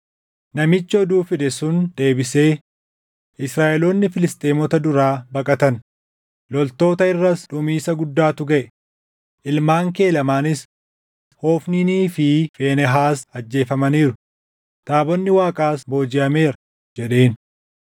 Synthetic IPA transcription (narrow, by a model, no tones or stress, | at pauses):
nɐmɪt͡ʃːɔd̪uːfɪd̪ɛsʊnd̪e̞ːbɪse̞ː | ʔɪsɾaːʔɛloːnːɪfɪlɪst̪ʼeːmɔt̪ɐd̪ʊɾaːbɐkʼɐt̪ɐn | lɔlt̪o̞ːt̪ɐɪrːɐsᶑʊmiːsɐɡʊd̪ːaːt̪ʊɡɐʔɛ | ʔɪlmaːŋke̞ːlɐmaːnɪs | hoːfniːniːfɪfeːnɛɦaːsɐd͡ʒːe̞ːfɐmɐniːɾʊ | t̪aːbɔnːɪwaːkʼaːsbo̞ːd͡ʒɪʔɐme̞ːɾɐ | d͡ʒɛᶑe̞ːn